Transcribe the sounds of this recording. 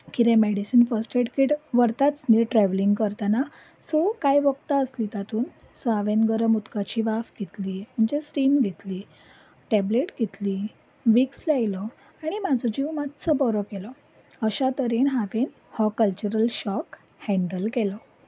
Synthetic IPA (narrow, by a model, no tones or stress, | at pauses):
kiɾɛ̃meɽisənfəɾsʈeʈkiʈʋəɾt̪at͡sniʈɾɛʋliŋɡkəɾt̪ana | sɔkajʋəɡt̪aəslit̪at̪ʰuːn | səaʋenɡəɾəmut̪kat͡ɕiʋafɡʱet̪liːm̤əɳd͡ʑesɾimɡʱet̪liː | ʈɛbleʈɡʱet̪liː | ʋikslajlɔ | aɽ̃imad͡zʱɔd͡ʑimad̪t͡səbɔɾɔkelɔ | əɕat̪əɾinɦaʋen | hɔkəlt͡ɕuɾəlɕɔk | hɛ̃ɳɖəlkelɔ